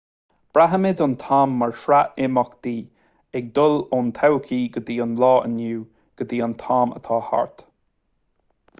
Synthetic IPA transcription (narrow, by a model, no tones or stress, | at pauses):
b̥ɾaɦəmɪd̪ʊnt̪ʰaːmːaɹʃɾaʔɪmɔkd̪̥iː | ɛɡ̚d̪ʊloːnt̪ʰawkʰiːɡəd̪iːənlɑːʔə̰njuː | ɡ̥əd̪iːant̪ʰaːmə̰t̪ʰɑːha̰ɹt̪